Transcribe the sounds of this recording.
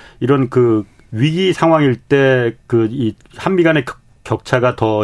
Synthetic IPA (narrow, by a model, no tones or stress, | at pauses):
iɾʌnkɯ | ɥiɡisʰaŋɦwaŋiɭt͈e̞kɯi | hanmiɡane̞ | kjʌk̚t͡ɕʰaɡatʌ